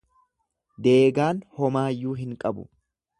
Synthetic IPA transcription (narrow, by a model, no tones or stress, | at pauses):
d̪e̞ːɡaːnhɔmaːjːuːɦɪŋkʼɐbʊ̰